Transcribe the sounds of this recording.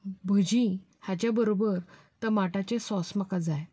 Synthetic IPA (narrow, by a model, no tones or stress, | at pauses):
bʱəd͡ʑĩ | hat͡ɕjabəɾobəɾ | t̪əmaʈat͡ɕesɔsməkad͡zaj